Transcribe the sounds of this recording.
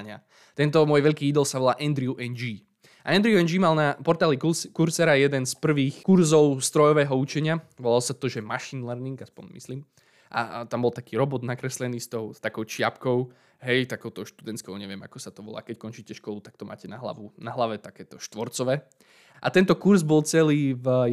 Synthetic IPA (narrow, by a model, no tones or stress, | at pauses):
ɲa | t̪ɛnt̪ɔmʊɔjʋɛʎkiːid̪ɔlˠsaʋɔlaːʔɛnd̪ɾiuʔɛnd͡ʒiː | ʔa̰ɛnd̪ɾiuɛnd͡ʒimalnapɔɾt̪aːlikuɾsɛɾajɛd̪ɛnspr̩ʋiːxkuɾzɔʊst̪ɾɔjɔʋɛːɦɔut͡ʃɛɲɪaʋɔlalɔsat̪ɔʒɛmaʃinlɛɾniŋɡaspɔɲmḭsliːm | ʔa̰t̪ambɔlˠt̪akiːɾɔbɔd̪nakɾɛslɛniːst̪ɔʊt̪akɔʊt͡ʃɪapkɔʊ | ɦɛjt̪akɔʊt̪ɔʊʃt̪ud̪ɛnt̪skɔʊɲɛʋɪɛma̰kɔsat̪ɔʋɔ̰la̰ːkɛckɔnt͡ʃiːcɛʃkɔlut̪ak̚t̪ɔma̰ːcɛnaɦla̰ʋunaɦlaʋɛt̪akɛːt̪ɔʃt̪ʋɔɾt͡sɔʋɛː | ʔa̰t̪ɛnt̪ɔkuɾzbɔlˠt͡sɛliːv